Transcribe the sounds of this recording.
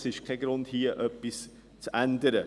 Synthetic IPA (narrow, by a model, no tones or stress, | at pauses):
sɪʃkʰaɡɾʊnthiːʔœpɪs | t͡sʔændəɾə